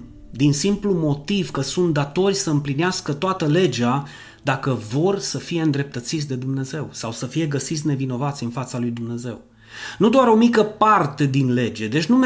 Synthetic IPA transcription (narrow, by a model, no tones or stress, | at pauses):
d̪insimplumo̞t̪iv̥kəsunt̪̚d̪at̪o̞rʲsəɨmplineaskət̪oat̪əle̞d͡ʒa | d̪akəvo̞rʲsəfije̞ɨnd̪ɾe̞p̚t̪ət̪sit̪sʲd̪e̞d̪umne̞ze̞wsawsəfije̞ɡəsit̪sʲne̞vino̞vat̪sʲɨnfat̪salujd̪umne̞ze̞̰w | nud̪oaɾo̞mikəpart̪e̞d̪inle̞d͡ʒe̞d̪e̞t͡ʃʲnum